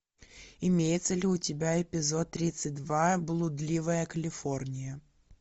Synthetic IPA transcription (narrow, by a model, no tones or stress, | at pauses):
ɪmʲejɪt̪səlʲɪʊtʲɪbʲaɪpʲɪzo̞t̪ːɾʲit̪sɨt̚ʲd̪vablˠʊd̪lʲivəjəkəlʲɪfo̞rnʲɪjə